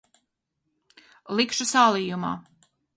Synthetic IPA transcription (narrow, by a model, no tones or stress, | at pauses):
lˠikʃusaːlˠiːjuma̰ː